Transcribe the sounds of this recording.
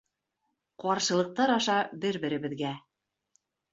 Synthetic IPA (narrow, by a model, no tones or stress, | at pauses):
qɒɾʃɤ̆lˠɤ̆q̚t̪ɑɾɒʃɑbɘɾbɘ̆ɾɘ̆βɘ̆ðɡæ